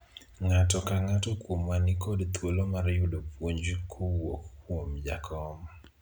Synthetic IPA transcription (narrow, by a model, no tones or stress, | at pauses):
ŋatɔkaŋatɔkwomːanɪkɔdt̪wolomaɾjʊdopwoɲd͡ʒkʰowokkːwomd͡ʒa̰kʰɔm